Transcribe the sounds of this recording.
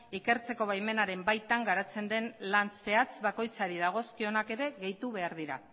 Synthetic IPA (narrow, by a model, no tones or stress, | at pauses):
ike̞ɾt͡se̞ko̞βajme̞naɾe̞mbajt̪aŋɡaɾat͡se̞nd̪e̞nlanse̞at͡sβako̞jt͡saɾiðaɣ̞o̞skio̞nake̞ɾe̞ɣe̞jt̪uβe̞aɾðiɾa